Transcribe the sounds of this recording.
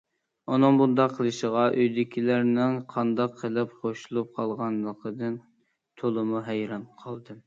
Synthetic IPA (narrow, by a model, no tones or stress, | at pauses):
onɨŋbund̪ɑqʰːəlˠɨʃəʁɑʔøjd̪ɪkʲʰilæɾnɪŋqʰɑnd̪ɑqʰːəlˠɪpχoʃulˠup̚qʰɑlˠʁɑnlˠəqʰəd̪ɨn | t̪ʰolˠɨmuɦɛjɾɑnqʰɑlˠd̪ɨ